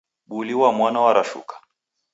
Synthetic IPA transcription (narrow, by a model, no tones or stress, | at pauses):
ɓuliwamwanawaɾaʃṵkḁ